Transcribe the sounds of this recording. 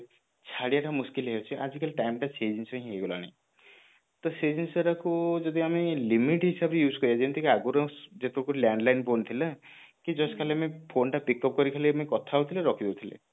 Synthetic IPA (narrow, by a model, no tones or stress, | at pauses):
t͡ʃʰaɽijaʈamuskilɦewt͡ʃʰiʔad͡ʒikaliʈajmʈat͡ʃed͡ʒinsãĩɦejɡɔla̰ɽ̃i | t̪ɔsed͡ʒensɔɾakud͡ʒɔd̪iamelimiʈɦisabejuːskɔɾjad͡ʒeñt̪ʰikeaɡuɾɔd͡ʒet̪ʰɔkuɾljaɳɖlajnpont̪ʰila | kid͡ʒɔskʰaleamepʰonʈapikɔp̚kɔɾikʰalemkɔt̪ʰaut̪ʰileɾɔkʰid̪ewt̪ʰilḛ